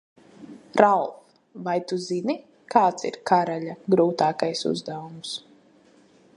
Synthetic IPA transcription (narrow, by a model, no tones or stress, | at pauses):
ɾalˠf | vajt̪uzini | kaːt̪sḭɾkaɾaʎʲaɡɾuːt̪aːkajsṵzd̪awums